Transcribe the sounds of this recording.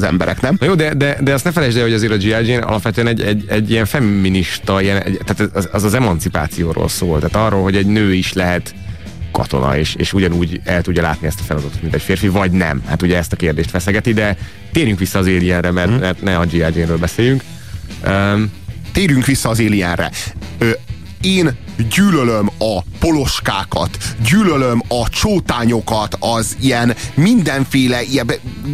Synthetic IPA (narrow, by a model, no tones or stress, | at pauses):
zɛ̰mbɛɾɛ̰knɛmjoːd̪ɛd̪ɛd̪ɛɒst̪nɛfɛlɛd͡ʒd̪ɛoɒzeːɾɒd͡ʒiad͡ʒeːnɒ̰lɒpʋɛt̪øɛnɛɟɛɟːɛɟːijɛɱfɛmːiniʃt̪ɒijɛnɛ̰t̪ːaːt̪ɛɛɛzɒzɛmɒnt̪sipa̰ːt̪sijoːɾo̰ːlsoːlt̪aːt̪ɒrːolɦo̞ɟɛɟnøːiʃlɛɦɛt̪ | kɒ̰t̪o̞̰nɒ̰eːʃḛːʃuɟɒnuːɟɛlt̪uɟːɒla̰ːt̪niɛst̪ɒ̥fɛlɒd̪ɒt̪ot̪mint̪ɛcfeːrfivɒɟnɛ̰mha̰t̪uɟɛɛst̪ɒkeːrd̪eːʃt̪ʋɛsɛɡɛt̪id̪ɛ | t̪eːɾjyŋkʋisːɒːzeːliɛnrɛmɛrt̪mɛrt̪nɛɒd͡ʒiːad͡ʒeːnɾøːlbɛseːjyŋk | øt̪eːɾjyŋkʋisːɒːzeːliɛnrɛ̰ø | eːn | ɟyːlølømɒpo̞lo̞ʃkaːkɒ̰t̪ɟyːlølømɒt͡ʃoːt̪aːɲo̞kɒt̪ɒzijɛnmind̪ɛɱfeːlɛijɛbɛ